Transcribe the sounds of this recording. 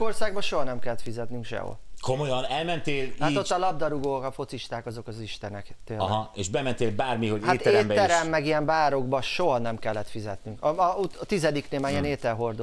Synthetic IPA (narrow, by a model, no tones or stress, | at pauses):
orsaːɡ̚bɒʃoɦɒnɛmkɛlːɛt̪fizɛt̪nyŋkʃɛ̰ɦo̰komojɒnɛlmɛnt̪eːlhaot̪ːɒlɒb̚d̪ɒɾuɡoːkɒfo̞t̪siʃt̪aːkɒzo̞kɒziʃt̪ɛnɛkt̪eːleʃbɛmɛnt̪eːlbaːrmiho̞ɟhaːt̪ːɛeɛːmbɛɛɾɛmːɛɡijɛmbaːɾo̞ɡbɒʃo̞ɦɒnɛmkɛlːɛt̪fizɛt̪nyŋkɒuɒt̪izɛd̪ikneːmaːijɛneːt̪ɛlɦo̞rd̪o